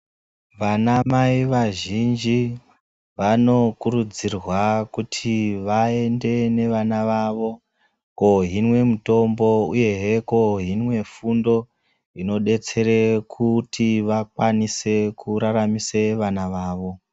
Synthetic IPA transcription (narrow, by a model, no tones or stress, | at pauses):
ʋanamaiʋaʒind͡ʒi | ʋano̞kurud͡zirwakutʰiʋae̞nde̞ne̞ʋanaʋaʋo̞ | ko̞ɦinwe̞muto̞mbo̞uje̞ɦeko̞ɦinwe̞fundo̞ | ino̞ɗe̞t͡se̞ɾe̞kʰutʰiʋakwanise̞kuɾaɾamise̞ʋanaʋaːʋo̞